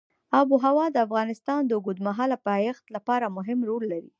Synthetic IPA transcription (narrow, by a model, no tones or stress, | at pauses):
ɑbuɦawɑd̪əafɣɑnɪst̪ɑnd̪əɡud̪maɦɑlapəajaxt̪lapɑɾamʊɦɪmɾolːaɾḭ